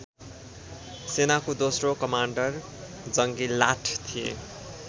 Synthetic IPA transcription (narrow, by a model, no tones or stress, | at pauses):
senakod̪osrokʌmaɳɖʌr | d͡zʌŋɡilaʈʰt̪ʰijḛ